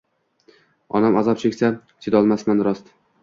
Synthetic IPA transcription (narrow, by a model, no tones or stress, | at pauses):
ɒ̰namazɒp̚t͡ʃʰekʲsa | t͡ʃ̪ʰed̪ɒlˠmasmanɾɒst̪